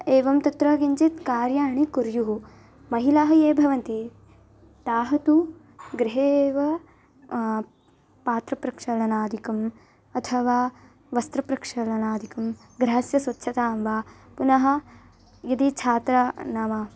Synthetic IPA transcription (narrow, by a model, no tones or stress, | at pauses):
eːʋɐmt̪ɐt̪ɾɐɡiɲt͡ʃit̪kaːɾjaːɳikuɾjuɦu | mɐɦilaːɦɐjeːbʱɐʋɐnt̪i | t̪aːɦɐt̪u | ɡɾɪɦeːʋɐ | paːt̪ɾɐpɾɐkʂɐɽɐnaːd̪ʱikɐm | ɐt̪ʰɐʋaː | ʋɐst̪ɾɐpɾɐkʂɐɭɐnaːd̪ʱikɐm | ɡɾɐɦɐsjɐsʋɐt̪ːʃʰɐt̪aːmʋaː | punɐɦɐ̆ | jɐd̪it͡ʃʰaːt̪ɾɐnɐmɐ